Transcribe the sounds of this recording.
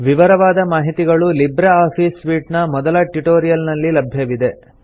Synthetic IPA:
ʋiʋɐɾɐʋaːd̪ɐmaːɦit̪iɡɐɭulibɾɐaːpʰiːsʋiːʈnɐmɔd̪ɐlɐʈiʈoːɾijɐlnɐlːilɐbʱjɐʋid̪e̞

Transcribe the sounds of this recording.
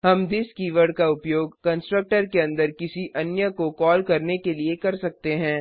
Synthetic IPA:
ɦɐmd̪ɪskiːʋəɾɖkaʊpjoːɡkɐ̃nsʈɾək̚ʈəɾkeɐ̃nd̪əɾkɪsiʔɐnjəkokɔːlkɐɾnekeliekɐɾsɐk̚t̪eɦɛ̃ː

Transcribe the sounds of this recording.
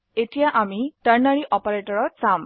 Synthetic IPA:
etijaʔamiʈəɹnaɾiʔɔpɔɾeʈɔɹɔsam

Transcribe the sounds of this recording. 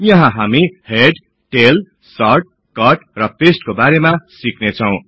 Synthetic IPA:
jʌɦãɦamiheɖ | ʈel | sʌrʈ̚ | kʌʈrʌpesʈ̚kobaɾemasiknet͡sʰʌw̃

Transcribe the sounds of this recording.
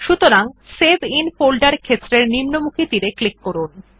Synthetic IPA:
ʃut̪oɾaŋsebinfolɖaɾkʰet̪ːɾeɾnimnomukʰit̪iɾeklikːoɾun

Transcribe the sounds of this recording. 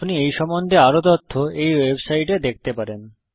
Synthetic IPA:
pniejʃɔmːond̪ʱeaɾot̪ot̪ʰːoejwebsajʈed̪ek̚t̪epaɾen

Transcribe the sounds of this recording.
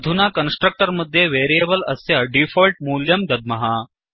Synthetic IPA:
d̪ʱunakənsʈɾək̚ʈəɾməd̪ʱːjeʋeːɾijebəlɐsjaɖifolʈ̚muːljəmd̪ɐd̪̚mɐɦa

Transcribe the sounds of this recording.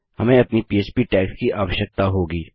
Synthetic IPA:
hɐmẽɐpnipiːeːt͡ʃpiʈɛːkskiʔaːʋəʃjək̚t̪aɦoːɡiː

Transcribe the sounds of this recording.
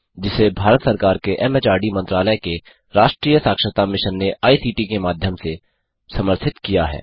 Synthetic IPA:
d͡ʒɪsebʱaːɾət̪səɾkaːɾkeʔɛmɛt͡ʃaːɾɖimɐ̃nt̪ɾaːləjke | ɾaːʃʈɾiːjəsaːkʃəɾət̪amɪʃənːeʔaːisiːʈikemaːd̪ʱjəmse | sɐməɾt̪ʰɪt̪kijaɦɛ̰ː

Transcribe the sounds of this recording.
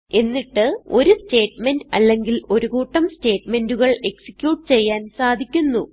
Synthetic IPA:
e̞nːiʈːɨo̞ɾuste̞ːʈme̞ndɐ̰lːe̞ŋɡilo̞ɾuɣuːʈːɐmste̞ːʈme̞nduɣɐɭe̞ksi̥kʲjuːʈːɨ̥t͡ɕe̞jːaːnsaːd̪ʱikʲːunːu

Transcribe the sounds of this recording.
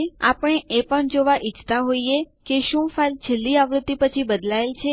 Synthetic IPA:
a̰pəɳ̃eʔepəɳd͡ʒoʋaʔit͡ʃt̪aɦoie | keʃũfalt͡ʃʰelːiaʋɾʊd̪ːipət͡ʃʰibəd̪laelt͡ʃʰe

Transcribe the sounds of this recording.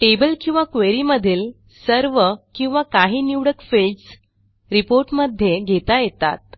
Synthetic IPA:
ʈebəlkĩw̃ʋakʋeɾiːməd̪ʱiːl | səɾʋəkĩw̃ʋakaɦiːniʋɽəkfels | ɾipoɾʈməd̪ʱːjeɡʱet̪ajet̪a̰t̪̚

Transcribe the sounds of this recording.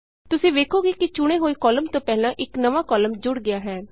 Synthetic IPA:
t̪ʊsĩːʋeːkʰoːɡiːkɪt͡ʃʊɽ̃eːɦoːiːkɔːləmt̪õːpɛːlãːʔɪknəʋaːkɔːləmd͡ʒʊɽɡɪjaːɦɛː

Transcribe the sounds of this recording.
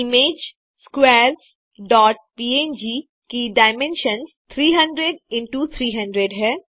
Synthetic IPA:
ɪmeːd͡ʒ | skwɛːɾs | ɖɔːʈ̚piːẽːnd͡ʒi | kiɖaːɪmɛ̃nʃənzt̪ʰɾiːɦɐ̃ɳɖɾeɖɪ̃ɳʈut̪ʰɾiːɦɐ̃ɳɖɾeɖɦɛː

